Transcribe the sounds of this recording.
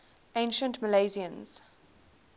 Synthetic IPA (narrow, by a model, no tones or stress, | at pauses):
ẽɪ̃nʃə̃ntməleɪziə̃nz̥